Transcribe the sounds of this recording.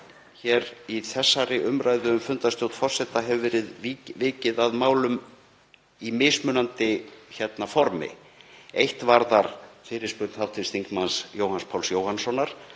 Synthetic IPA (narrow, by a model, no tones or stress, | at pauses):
çɛɾiθɛsːaɾɪʔʏmɾaːjðʏːmfʏnt̪ast̪jowt̪fɔr̥sɛt̪aɦɛvʏvɛːɾɪðivɪːcɪðaðmaːwlʏm | imɪːsmʏːnant̪ɪçɛt̪nafɔɾmɪ̰ | ejht̪vaɾðaɾ̥fɪːɾɪ̥spʏɾt̪nhawt̪ʰɪst̪iŋkmansjoːwhanspʰawlsjoːwhansɔnːaɾ̥